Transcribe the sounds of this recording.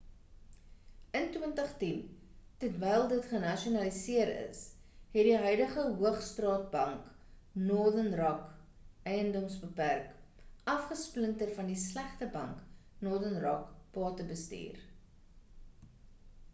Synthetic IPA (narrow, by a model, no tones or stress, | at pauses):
ʔəntwəntəχtintətvɛjlˠdətχənɐʃiunɐlisiəɾə̰sɦɛtdiɦœjdəχəɦuəχstrɑːt̚bɐŋk | nordənrɐk | ɛjəndɔmsbəpærkʔɐfχəspləntərfɐndislæχtəbɐŋknɔrdənrɑ̰kpɑːtəbəstḭːr